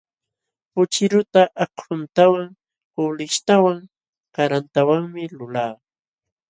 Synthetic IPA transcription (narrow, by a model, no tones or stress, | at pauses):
pʊt͡ʃɪɾʊt̪aʔakʊnt̪awaŋ | ʊlɪʃt̪awaŋ | kaɾant̪awaŋmɪlʊlaː